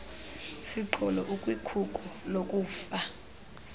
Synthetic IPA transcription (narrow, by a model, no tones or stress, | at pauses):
siǃʰɔlɔʔukʼwikʰukʼɔlokʼuːfa